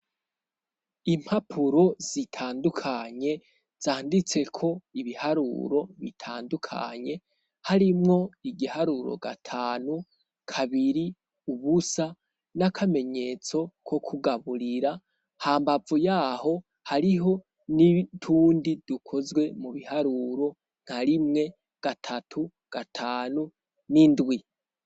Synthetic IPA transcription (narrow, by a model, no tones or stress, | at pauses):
im̥hapʰuɾo̞z̥itʰaːndukʰaɲe̞ | z̥aːndit͡se̞kʰo̞iβihaɾṵɾo̞βḭtʰaːndukʰa̰ɲe̞ | haɾimŋo̞iɡihaɾuɾo̰ɡa̰tʰaːnu | kʰaβiɾi | uβusa | nakʰame̞ɲe̞t͡so̞kʰo̞kʰuɡaβuɾiɾa | haːmbavujaːho̞ | haɾiɦo̞ | nitʰuːndid̥ukʰo̞zɡwe̞muβihaɾuɾo̞ | ŋ̥haɾimŋe̞ | ɡ̥atʰatʰu | ɡ̥atʰaːnu | nindwi